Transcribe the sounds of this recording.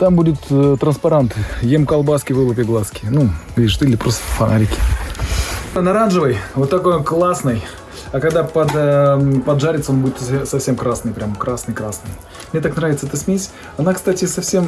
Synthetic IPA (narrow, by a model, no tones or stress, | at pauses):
t̪ambudʲɪt̪t̪ɾənspɐɾant̪ɨjemkɐlˠbaskʲɪvɨlˠəpʲɪɡlˠaskʲɪnuvʲiʂɨt̪ɨlʲɪpɾost̪ə̥fɐnʔa̰ɾʲɪkʲɪ̥ | nɐɾanʐɨvəjvot̪ːɐko̞jklˠasnɨj | ɐkɐɡd̪apɐd̪pɐd̪ʐaɾʲɪt̪səonbudʲɪt̪sɐfsʲe̞mkɾasnɨjpɾʲamkɾasnɨjkɾasnɨj | mnʲe̞t̪aknɾavʲɪt̪səɛt̪əsʲmʲesʲ | ɐnakst̪atʲɪsɐfsʲem